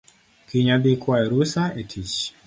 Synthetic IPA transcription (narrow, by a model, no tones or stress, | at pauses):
kiɲad̪ikwaeɾusaetʰit͡ʃ